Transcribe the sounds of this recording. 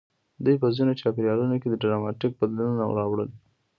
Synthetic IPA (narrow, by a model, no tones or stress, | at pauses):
d̪ujpəzinot͡ʃɑpeɾjɑlunoked̪əɖɪɾamɑʈik̚bad̪lununa̰wɽɑwɽəl